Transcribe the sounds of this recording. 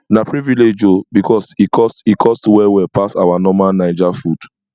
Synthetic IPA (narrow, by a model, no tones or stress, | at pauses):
napɹiviled͡ʒobikʰɔsikʰɔsikʰɔstwɛwɛpasawanɔmanaɪd͡ʒafud̥